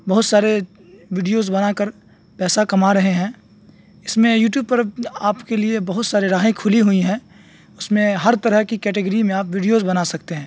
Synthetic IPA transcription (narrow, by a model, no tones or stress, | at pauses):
bɐɦʊt̪saːɾe | ʋiːɖijozbɐnaːkəɾ | pɛːsakɐmaɾɐɦeɦɛ̃ː | ɪsmẽjuːʈ̬juːb̚pɐɾaːpkeliebɐɦʊt̪saːɾiɾaːɦẽkʰʊliɦʊiɦɛ̃ː | ʊsmẽɦɐɾt̪ɐɾəɦkikɛːʈəɡəɾimẽaːpʋiɖijozbɐnasɐkt̪eɦɛ̃ː